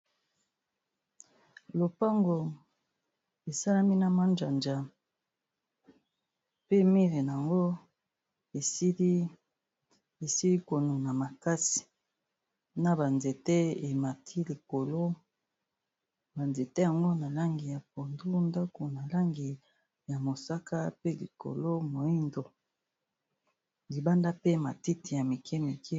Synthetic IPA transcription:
lo˨pa˦ŋɡo˨ | e˨sa˦la˦mi˦na˨ma˦nd͡ʒa˨nd͡ʒa˨ | pe˦mi˦ʁe˨n˨a˨ŋɡo˦ | e˨˦ | e˨si˦li˦ko˨nu˨na˨ma˨ka˦si̥˨ | na˨ba˨nze˨te˦e˨ma˨tʰi˦li˨ko˨lo˦ | ba˨nze˨te˦ja˨ŋɡo˦na˨la˦ŋɡi˨ja˨p̚o˨ndu˦nda˦ko˨na˨la˦ŋɡi˨ | ja˨mo˨sa˦ka˦pe˦li˨ko̰˨lo˦mo˨i˦ndo˨ | li˨ba˦nda˦pe˦ma˨ti˦ti˨ja˨mi˨kʰe˦mi˨kʰe˦

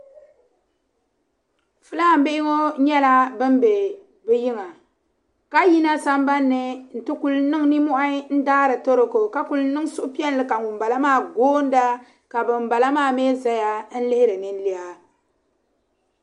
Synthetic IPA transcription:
fɨ˦la˦˨m̩˨be˦ɪ˦ŋo˦ɲɛ˦la˦bɨ˦m˦be˨ | bɨ˦ji˦ŋa˨ | ka˦ji˦na˦sa˦mba˦nːɨ˨n̩˨tɨ˦ku˨lnɨ˦ŋ˦ni˦mɔ˦ʔa˦n̩˦daː˦ɾɨ˨to˦ɾɨ˨ko˨ka˦ku˨lnɨ˦ŋ˦sʊ˦ʔʊ˦pi˦ɛ˦n˦lɨ˨ka˨ŋu˨m˨ba˨la˦maː˦˨ɡoː˦n̩˦da˦ | ka˨bɨ˨m˨ba˨la˦maː˦˨meː˦za˦ja˦n̩˦lɪ˦hɪ˦ɾɨ˨nɨ˦n˦li˦a˦

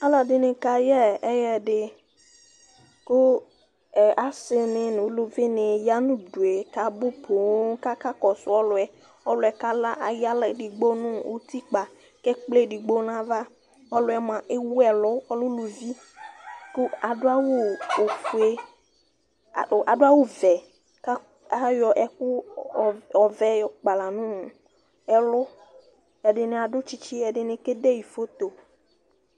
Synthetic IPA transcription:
a˦la˨dɪ˨nɪ̃˨ka˨jɛ˦ɛ˦jɛ˨ɖɪ˨ | kʊ˦˨ | ʔa˨sɪ˨nɪ̃˨ñ˨˦lo˨vi˦nɪ̃˨ja˦nʊ̃˦du˨e˨ka˨bʊ˦po˨˦ka˦ka˦kɔ˨sʊ˨ɔ˦lʊ˨ɛ˨ | ɔ˦lʊ˨ɛ˨ka˦la˦ʔa˨ja˦lɛ˨dɪ˨ɡ͡bo˦nʊ̃˦o˦t̪i˦k͡pa˨ | kɛ˦k͡ple˦˨di˨ɡ͡bo˦n˦ã˨va˦ | ɔ˦lʊ˦ɛ˦mã˨ʔe˦wu˦ɛ˨lʊ˦ɔ˦lʊ˦lu˨vi˦ | kʊ˦a˨dʊ˦a˦wo˦o˨fu˨e˦˨ | ʔa˨dʊ˦a˦wo˦vɛ˨ | ka˦ | a˦jɔ˨ʔɛ˦kʊ˦˨ | ɔ˨vɛ˦jɔ˨k͡pa˨la˨nũ˦˨ | ɛ˨lʊ˦ | jɛ˨ɖɪ˨nɪ˨a˨ɖʊ˦t͡ʃi˦t͡ʃi˦ɛ˨ɖɪ˨nɪ̃˦ke˦de˦ji˨fo˦t̪o˨

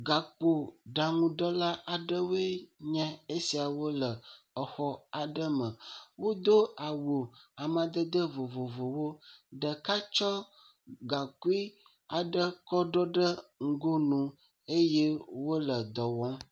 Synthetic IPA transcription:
ɡa˨k͡po˨ɖa˨ŋũ˨ɖə˦la˦ʔa˨ɖə˦wo˦e˦ɲɛ̃˦e˦si˨a˨wo˦lə˨ | ɔ˨xɔ˦a˨ɖə˦mə̃˨wo˦d̪o˦a˨wo˨a˨mã˨d̪ə˦d̪ə˦vo˨vo˨vo˨wo˦ɖə˨ka˦t͡ʃɔ˦ | ɡa˨ku˦i˦ | a˨ɖə˦kɔ˦ɖɔ˦ɖə˦ŋ̩˦ɡo˦nũ˦ | e˦je˦wo˦lə˨d̪ɔ˨wɔ̃˦

